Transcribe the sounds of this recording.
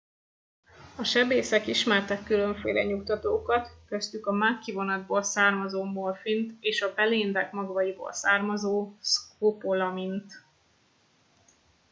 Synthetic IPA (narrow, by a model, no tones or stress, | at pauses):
ɒʃɛbeːsɛkiʃmɛrt̪ɛkːylø̞ɱfḛːlɛ̰ɲukt̪ɒt̪oːkɒt̪kø̞st̪ykɒmakːivo̞nɒd̪boːlsaːrmɒzoːmolfint̪eːʃɒbɛleːnd̪ɛkmɒɡvɒjibo̰ːlsaːrmɒzoːskopolɒmint̪